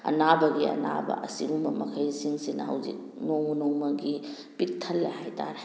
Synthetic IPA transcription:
ɐ̰nabɐɡiɐ̰na̰bɐ̰ʔɐsiɡumbɐmɐkʰɐjsiŋsinɐɦɐ̰wzḭk̚nowmunowmɐɡi | pik̚tʰɐlːɐhajtʰa̰ɾe

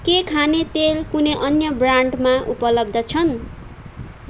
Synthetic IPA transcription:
kekʰanet̪elkuneʔʌnjʌbraɳɖmaʔupʌlʌb̚d̪ʌt͡sʰʌn

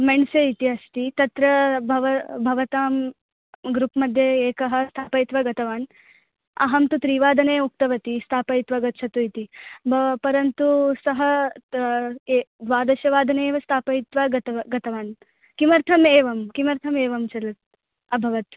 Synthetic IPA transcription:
meɳseit̪iɐst̪it̪ɐt̪ɾɐbʱɐʋɐbʱɐʋɐt̪aːm | ɡɾupmɐd̪ʱjɐeːkɐɦɐst̪ʰaːpɐjit̪ʋɐɡɐt̪ɐʋaːn | ɐ̰ɦɐmt̪ut̪ɾiːʋaːd̪ʱɐneːuk̚t̪ɐʋɐt̪ist̪ʰaːpɐjt̪ʋɐɡɐt̪t͡ʃʰɐt̪uit̪ibɐpɐɾɐnt̪usɐɦɐ | d̪ʋaːd̪ɐʃjɐʋaːd̪ʱɐneːʋɐst̪ʰaːpɐjit̪ʋaɡɐt̪ɐɐɡɐt̪ɐʋaːn | kimɐɾt̪ʰɐmeːʋɐmkimɐɾt̪ʰɐmeːʋɐmt͡ʃɐlɐt̪̚ | ɐbʱɐʋɐt̪

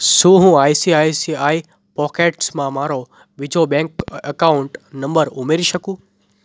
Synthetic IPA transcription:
sũːɦũaːisiaːisiaːi | pɔːkeːʈsmãmaːɾo | ʋɪd͡ʒʱobɛ̃ːŋkəkaʊɳʈnɐ̃mbəɾʊmeːɾiʃəkũː

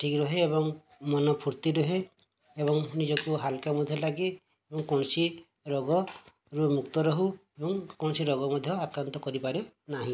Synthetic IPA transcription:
ʈʰikɾɔɦeːbɔŋ | mɔnɔpʰuɾt̪iɾɔɦe | ebɔŋnid͡ʒɔkuɦalkamud̪ʱjɔlaɡe | ebɔŋkɔñɔsi | ɾɔɡɔ | ɾumukt̪ɔɾɔɦuebɔŋkɔnɔsiɾɔɡɔmɔd̪ʱjɔakɾant̪ɔkɔɾipaɾenaɦĩ

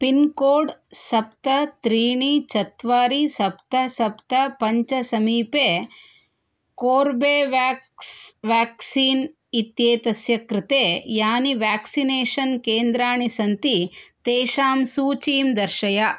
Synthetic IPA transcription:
pinkoːɖsɐp̚t̪ɐt̪ɾiːɳit͡ʃɐt̪ʋaːɾisɐpt̪ɐsɐpt̪ɐpɐɲt͡ʃɐsɐmiːpeː | koːɾbeːʋasʋaːksiːn | it̪jeːt̪ɐsjɐkɾɪt̪eːjaːniʋaːksineːʃɐnkeːnd̪ɾaːɳisɐnt̪it̪eːʃaːmsuːt͡ʃiːmd̪ɐɾʃɐjɐ

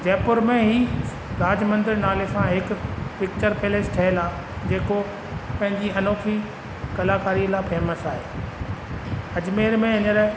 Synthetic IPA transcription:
d͡ʑɛːpʊɾmẽɦi | ɾaːd͡ʑmə̃nd̪ɪɾnaːlesãɦɪkpɪk̚t͡ɕəɾpeːlesʈʰɐɦelaː | d͡ʑeːko | pɐ̃ɦɪ̃ɲd͡ʑiɐnoːkʰi | kɐlaːkaːɾiəlaːpʰɛːməsaːɦeː | ɐd͡ʑmeːɾmẽɐ̃ɲəɾ

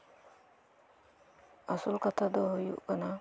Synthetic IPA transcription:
asulkat̪ʰad̪ɔɦojṵʔkana

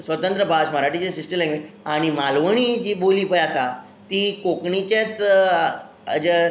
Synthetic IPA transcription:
sʋət̪ə̃nt̪ɾəbʱaɕməɾaʈit͡ɕasisʈəlẽɡʋi | aɽ̃imalʋəɳ̃id͡ʑiːboliːpəjasa | t̪ikokɳit͡ɕat͡s | ə̰d͡ʑə

